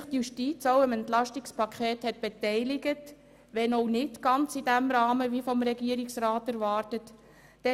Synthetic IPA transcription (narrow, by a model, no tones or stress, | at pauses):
χtjuʃtit͡soʊəmɛntlɑʃtɪkspɑkχɛːthɛt̚b̥etɛɪlɪɡət | ʋɛnɔʊnɪtɡ̥ɑnt͡sid̥æmɾɑːməʋifɔmɾɛɡiəɾiksɾɑːtæɾvɑːɾtətː | ɛ